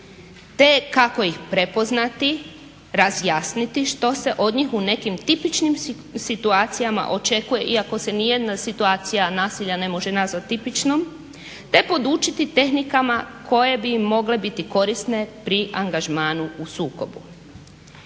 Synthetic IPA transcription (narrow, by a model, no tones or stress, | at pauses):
t̪e̞kako̞jixpɾe̞po̞znat̪i | ɾazjasnit̪iʃt̪o̞se̞ʔo̞d̪ɲixune̞kimt̪ipit͡ʃnim | sit̪uaːt̪sijama̰ʔo̞t͡ʃe̞kuje̞ʔiako̞se̞nije̞d̪nasit̪uaːt̪sijanaːsiʎane̞mo̞ʒenazʋat̪ːipit͡ʃnom | t̪e̞po̞d̪uːt͡ʃit̪it̪e̞xnikamakʰo̞je̞bimːo̞ɡle̞bit̪iko̞ɾist̪ne̞pɾiʔaŋɡaʒmaːnuusuːko̞bṵ